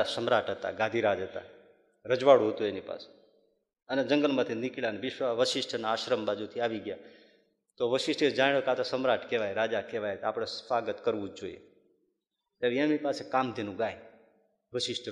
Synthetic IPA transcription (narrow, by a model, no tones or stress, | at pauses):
asəmɾaʈɦət̪a̰ɡad̪ʱiɾad͡ʒɦət̪a̰ | ɾəd͡ʒʋaɽũɦət̪ũenipa̰se̥ | əned͡ʒəŋɡəlmãt̪ʰinikiɭaneʋɪʃʋaʋəʃɪʃʈʰənaaʃɾəmbad͡ʒut̪ʰiaʋiɡja | t̪oʋəʃɪʃʈʰed͡ʒaiɭokat̪asəmɾaʈkeʋajɾad͡ʒakeʋajɦət̪aapɽ̃esfaɡət̪kəɾʋũd͡ʒd͡ʒoḭḛ | t̪jaɾiemipasekamt̪inũɡaj | ʋəʃɪʃʈʰ